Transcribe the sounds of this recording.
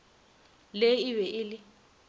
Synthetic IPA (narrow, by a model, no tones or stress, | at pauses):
leɪwɛʔɪlɪ